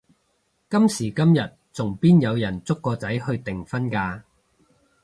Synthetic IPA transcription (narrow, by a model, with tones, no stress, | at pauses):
kɐ˥msiː˨˩kɐ˥mjɐ˨t̚t͡sʊ˨˩ŋpiː˥njɐ˨˧wjɐ˨˩nt͡sʊ˥kːɔː˧t͡sɐ˨˥jhɵ˧ɥt̪ɪ˨˩ŋfɐ˥nkaː˧